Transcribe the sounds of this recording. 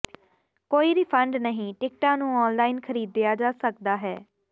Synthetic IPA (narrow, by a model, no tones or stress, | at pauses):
koːiːɾiːpʰəɳɖnəɦĩːʈɪk̚ʈãːnũːɔːnlaːiːnkʰəɾiːd̪ːejaːd͡ʒaːsək̚d̪aːɦɛː